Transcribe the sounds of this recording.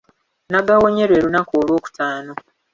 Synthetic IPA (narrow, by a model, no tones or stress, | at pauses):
naɡawoɲe̞ɾwe̞ːɾunakoːlwo̞ːku̥tʰaːno̞